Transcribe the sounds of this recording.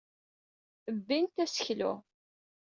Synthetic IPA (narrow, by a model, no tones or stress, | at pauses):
əbːint̪æsə̥çlʊ̰